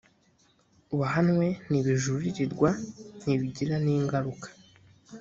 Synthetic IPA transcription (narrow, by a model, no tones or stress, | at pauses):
uβaɦanŋwe̞niβiʒuɾiɾiɾɡwaniβiɟiɾaniːŋɡaɾukḁ